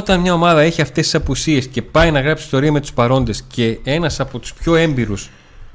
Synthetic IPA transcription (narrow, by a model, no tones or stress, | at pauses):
ot̪ɐnmɲɐo̞mɐðɐeçiɐft̪e̞sisɐpusie̞sce̞pɐjnɐɣɾɐpsist̪o̞ɾiɐme̞t̪u̥spɐɾo̞nd̪e̞sce̞e̞nɐsɐpo̞t̪u̥spço̞e̞mbiɾus